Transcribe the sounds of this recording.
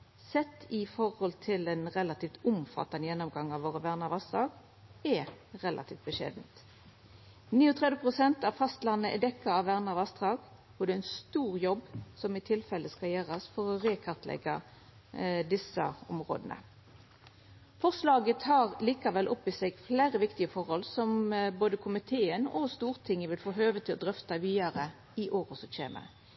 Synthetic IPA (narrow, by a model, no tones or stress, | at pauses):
sɛt̪ːɪfɔʁhɔlt̪ʰɪlɛnʁɛlɑt̪ʰiːft̪ʊmfɑ̰t̪ːɑnəjɛnːʊmɡɑŋːɑʋːoːʁəʋæʁnɑʋɑst̪ʁɑːɡ | ɛ | ʁɛlʔɑ̰t̪ʰiːft̪̚bəʃḛːd̪nt̪ | niːɔt̪ʰʁɛd̪ʋəpʰʁʊsɛnt̪ɑʋfɑst̪lɑnəʔɛd̪ɛkːəɑʋʋæʁnɑʋɑst̪ʁɑːɡ | ɔd̪ɛɪnst̪uːʁjɔbsɔmɪt̪ʰɪlfɛlːəskɑjæːʁɑsfɔʁɔʁeːkʰɑʁt̪ʰlʔɛ̰ɡɑ | d̪ɪsə̰ʊmʁo̰ːd̪ənə̰ | fɔʁslɑːɡət̪ʰɑːʁliːkɑʋɛlʔɔpːɪsɛɡfleːʁəʋɪkt̪ɪəfɔʁhɔlsɔmboːd̪əkʰʊmɪt̪ʰeːənɔst̪uːʁt̪ʰɪŋːəʋɪlfoːɦøːʋət̪ʰɪlɔd̪ʁœft̪ɑʋiːɑʁə | ɪʔoːʁəsɔc͡çḛːmə̰